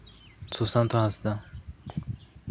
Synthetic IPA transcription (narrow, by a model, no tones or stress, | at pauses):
sʰusant̪ʰɔhasd̪a